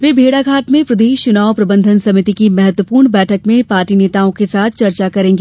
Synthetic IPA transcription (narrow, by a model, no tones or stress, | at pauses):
ʋeːbʱeːɽaɡʱaːt̪mẽpɾɐd̪eːʃt͡ʃʊnaːopɾɐbə̃nd̪ʱənsɐmɪt̪ikimɛɦət̪wəpuːɾɳbɛːʈʰəkmẽpaːɾʈineːt̪aõkesaːt̪ʰt͡ʃɐɾt͡ʃakɐɾẽːŋɡeː